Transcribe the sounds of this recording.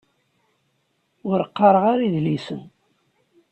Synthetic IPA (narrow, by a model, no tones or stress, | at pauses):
ʊɾəqːɑɾˤəʁaɾiðlisən